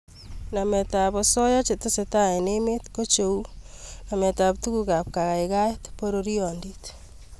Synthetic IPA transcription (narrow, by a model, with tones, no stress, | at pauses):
na˨mɛ˨ta˨βɔ˨sɔ˦ja˦t͡ʃe˨te˦se˨ta˦e˨ne˦me˦tko˦t͡ʃo˨u˦ | na˨mɛ˨ta˨p̚tu˦ku˨ka˨p̚ka˨ɣa˨ɪka˦tpo˦ɾo˦ɾi˦ɔ˨ndi˦t